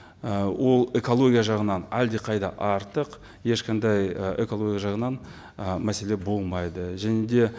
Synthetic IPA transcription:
əwʔo̞lˠe̞ko̞lˠo̞ɡʲijaʒɑʁənɑnæld̪eqʰɑjd̪ɑʔɑɾt̪əq | je̞ʃqɑnd̪ɑjekolˠo̞ɡʲjaʒɑʁənɑn | mæse̞le̞bo̞lˠmɑjd̪əʒæne̞d̪e̞

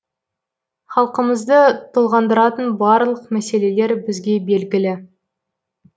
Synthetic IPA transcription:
χɑlˠqəməzd̪ət̪ʰʊlˠʁɑnd̪əɾɑt̪ənbɑɾlˠəqmæse̞le̞le̞ɾbɪzɡʲe̞be̞lɡʲɪlɪ

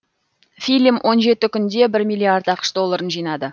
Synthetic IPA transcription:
fʲilʲimʔo̞nʒe̞t̪ɪkʲʰʏnd̪e̞bɪɾmʲijlːˠiaɾd̪ɑqə̥ʃd̪o̞lˠːaɾənʒijnɑd̪ə

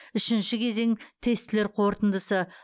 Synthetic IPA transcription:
ʏʃɪnʃɪkʲʰe̞ze̞ŋt̪ʰe̞st̪ɪle̞ɾqʰo̞ɾt̪ənd̪əsə

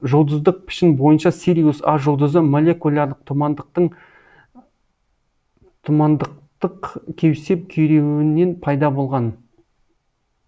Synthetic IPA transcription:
ʒolˠd̪əzd̪əq̚pʰɪ̥ʃɪnbo̞jənʃɑsiɾʲijusɑʒolˠd̪əzəmolʲˠe̞kulʲˠɑɾd̪əq̚t̪ʰʊmɑd̪t̪əɴ | t̪ʰʊmɑnd̪əq̚t̪əqkʲʰe̞wɪse̞p̚kʲʰeɾe̞wɪnːe̞npʰɑjd̪ɑbo̞lˠʁɑn

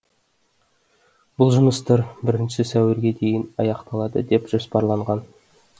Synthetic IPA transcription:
b̥ʊlˠʒʊməst̪əɾbɪɾɪnʃɪsæwɪɾɡʲe̞d̪e̞jɪnɑjɑqt̪ɑlˠɑd̪ə̰d̪e̞pʒ̥ospɑɾlˠɑɴʁɑn

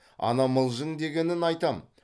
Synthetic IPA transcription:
ɑ̰nɑməlˠʒəŋd̪e̞ɡʲe̞nɪnɑjt̪ɑm

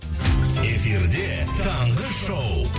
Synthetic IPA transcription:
e̞fiɾd̪e̞t̪ʰɑɴʁəʃow

